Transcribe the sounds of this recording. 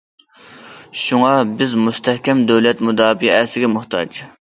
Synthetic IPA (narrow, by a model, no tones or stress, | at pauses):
ʃuŋɑbɪzmust̪ɛhkʲɛmd̪øwlɛt̪mud̪ɑːbiɛsɪɡʲɛmʊht̪ʰɑ̰d͡ʒ